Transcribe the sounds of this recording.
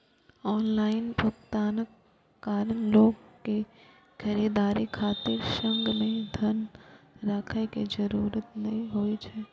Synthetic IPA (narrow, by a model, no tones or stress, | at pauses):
ɔːnlaːɪnpəkt̪aːnəkː | aːɾənloːɡkːe | xɐɾiːd̪aːɾikʰaːt̪ɪɾʃə̃ŋɡmẽd̪ʱɐnɾaːkʰeked͡ʒɐɾuːɾət̪nɐɦĩɦoet͡ʃʰɛː